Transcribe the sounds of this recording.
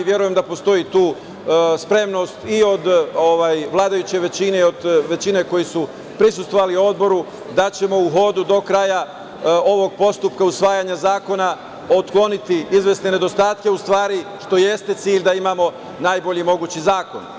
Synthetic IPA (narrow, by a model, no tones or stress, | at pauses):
ʋjeɾujemd̪apo̞st̪o̞jit̪uː | spɾe̞mno̞st̪io̞d̪oʋajʋlˠaːd̪ajut͡ɕe̞ʋe̞t͡ɕine̞o̞d̪ʋe̞t͡ɕine̞ko̞jisu | pɾis̬ust̪ʋo̞ʋalio̞d̪bo̞ɾu | d̪at͡ɕe̞mo̞uɦo̞d̪ud̪o̞kɾaja | o̞ʋo̞ɡ̚po̞st̪up̚kausʋaːjaɲazaːko̞na | ot̪klˠo̞nit̪iizʋe̞sne̞ne̞d̪o̞st̪aːt̪ke̞ust̪ʋaːɾiʃt̪o̞je̞st̪e̞t̪siːʎd̪aimamo̞ | naːjbo̞ʎimo̞ɡuːt͡ɕizaːko̞̰n